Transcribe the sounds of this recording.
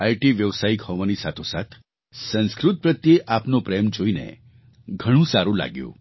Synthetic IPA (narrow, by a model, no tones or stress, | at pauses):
ajʈiʋjəʋsaikhɔʋanisat̪ʰosa̰t̪ʰ | sə̃nskɾut̪̚pɾət̪jeʔapnopɾemd͡ʒoinḛ | ɡʱəɽ̃ũsaɾula̰ɡjṵ̃